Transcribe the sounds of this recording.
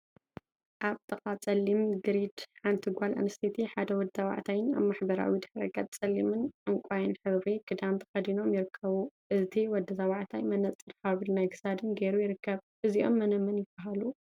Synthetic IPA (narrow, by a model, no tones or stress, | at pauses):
ʔaβt̪ʰʼɐχʼat͡sʼɐlːimɡɨɾid̪ħant̪ʰiɡʷalʔɨ̰nɨst̪ʰit̪ʰiħad̪ɐwɔd̪zɐwa̰ʕt̪ʰajɪna̰βmaħbɐɾa̰wid̪ɨħɾɐ̰ɡat̪̚ʼt͡sʼɐlːimɨnʔɨŋkʷʼajɨnħɨβɾiɡɨd̪amt̪ʰɐ̥xɐd̪ino̞mjɪɾɨkʰːɐβuʔɨt̪ʰiwɔd̪ɐzɐwaʕt̪ʰajmɐnɐt͡sʼɨɾħaβɨlnajɡɨzad̪ɨnɡeɾujɪɾɨkʰːɐβʔɨziʔo̞̰mːɐnɐmɐnjɪbaɦalu